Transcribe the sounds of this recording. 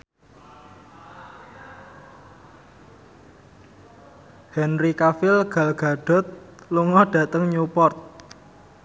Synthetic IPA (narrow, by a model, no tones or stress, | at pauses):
hɛnrikafɪlɡ̥a̤lɡ̥a̤ɖ̥ɔ̤t̪̚luŋɔɖ̥ä̤t̪əŋɲupɔrt̪̚